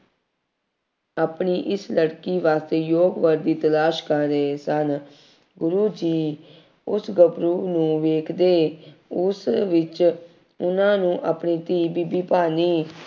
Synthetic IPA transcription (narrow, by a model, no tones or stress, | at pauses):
aːpɳiːʔɪsləɽkiːʋaːst̪eːjoːɡʋəɾd̪iːt̪əlaːʃkəɾːeːsən | ɡʊɾuːd͡ʒiː | ʊsɡəbɾuːnũːʋeːkʰd̪eːʊsʋɪt͡ʃ | ʊnãːnũːʔaːpɳiːt̪iːbiːbiːpaːniː